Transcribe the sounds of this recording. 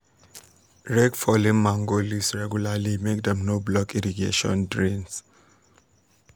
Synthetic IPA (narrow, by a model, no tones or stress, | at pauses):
ɹɛkfɔlĩnmãŋɡolisɹɛɡjulalimekdɛ̃mnoblɔkiɹiɡḛʃɔ̰̃ndɹĩns